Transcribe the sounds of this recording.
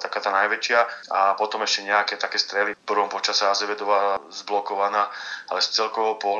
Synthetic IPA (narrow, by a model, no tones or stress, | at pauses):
t̪akaːt̪aːnajʋɛt͡ʃɪaapɔt̪ɔmɛʃcɛɲɛakɛːt̪akɛːst̪ɾɛlipr̩ʋɔmpɔt͡ʃasɛazɛʋɛd̪ɔʋazblɔkɔʋanaːalɛst͡sɛlkɔʋɔpɔɦ